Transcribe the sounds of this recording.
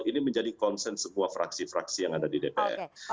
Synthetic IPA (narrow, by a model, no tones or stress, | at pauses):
iniməɲd͡ʒadikɔnsɛnsəmuafɾa̰ksifɾa̰ksijaŋadadidepḛʔɛ̰r